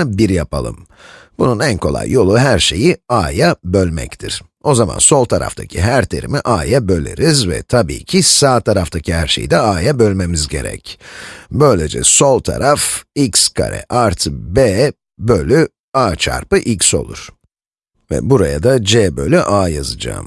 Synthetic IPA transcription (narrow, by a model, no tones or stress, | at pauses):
biɾjapʰalˠɯ̰m | b̥ununænkʰo̞lˠa̰jːo̞lˠuɦæɾʃe̞jiaːjabølʲmɛ̰ct̪ʰiɾ̥ | o̞zama̰nso̞lˠt̪ʰaɾa̰ft̪ʰacʰiɦæɾt̪ʰeɾḭmiʔaːjabø̞lʲḛɾizvɛ̰t̪ʰabḭːcʰisaːt̪ʰaɾaft̪ʰacʰihæɾʃe̞̰jḭd̪ɛaːjabø̞lʲme̞mizɟe̞̰ɾɛ̰cbø̞jlʲed͡ʒɛ̰so̞lˠt̪ʰa̰ɾʔafikskʰa̰ɾʔɛ̰ʔaɾt̪ʰɯbɛː | bølʲy | aːt͡ʃʰa̰ɾpɯʔicso̞̰lˠṵɾ̥ | vɛ̰buɾajad̪ad͡ʒɛːbølʲyʔaːjazɯd͡ʒa̰ːm